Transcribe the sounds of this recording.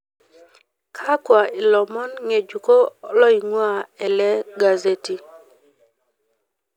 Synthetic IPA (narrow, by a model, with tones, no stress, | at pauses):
kʰa˦kwa˨ɪ˨lɔ˨mɔ˦nŋe˨d͡ʒu˨ko˦lɔ˦i˨ŋwa˦˨ɛ˨lɛ˦ɡa˨ze˦ti˨